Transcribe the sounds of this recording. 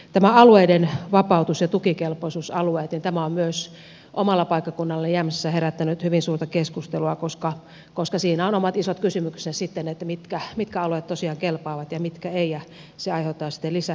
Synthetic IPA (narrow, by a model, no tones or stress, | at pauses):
t̪æmæɑlueidenʋɑpɑut̪usjɑt̪ukikelpoisuːsɑlueːt̪nint̪æmæommyøs | ʔomɑlːɑpɑikːɑkunːɑlːɑjæmssːæheɾæt̪ːænyt̪hyʋinsuːrt̪ɑkeskust̪eluɑkoskɑ | koskɑsiːnæonomɑt̪isot̪kysymykssesit̪ːenet̪ːæmit̪kæmit̪kæɑlueːt̪t̪osiɑːŋkelpɑːʋɑt̪jɑmit̪kæeijɑ | seɑiheut̪ːˑɑːsi̥t̪ːelisæ